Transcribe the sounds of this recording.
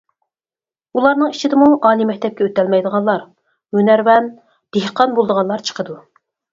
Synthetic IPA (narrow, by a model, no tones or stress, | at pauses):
ulˠɑɾnɨŋit͡ʃʰid̪ɪmuʔɑːlimɛk̚ʲt̪ʰɛp̚kʲɛøt̪ɛlmɛjd̪əʁɑnlˠɑɾ | mynæɾwɛn | d̪̥ehqɑnbolˠd̪əʁɑnlˠɑɾt͡ʃʰə̥qʰəd̪u